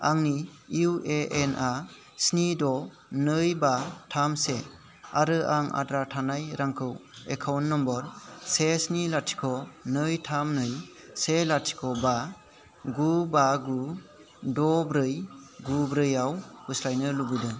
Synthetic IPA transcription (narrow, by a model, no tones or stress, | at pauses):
aŋni | iuʔeʔenʔa | snidɔ | nɯjbatʰamse | aɾɯʔaŋa̰dɾatʰanajɾaŋkʰɯwekʰawnːɔmbɔɾsesnilatʰi̥kʰɔnɯjtʰamnɯj | selatʰi̥kʰɔba | ɡubaɡu | dɔbɾɯjɡubɾɯjawhuslajnɯlubɯdɯ